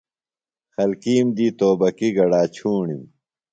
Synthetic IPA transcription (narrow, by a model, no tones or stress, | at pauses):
xɐlkiːmd̪iːt̪oːbɐkiɡɐɽaːt͡ɕʰuːɳim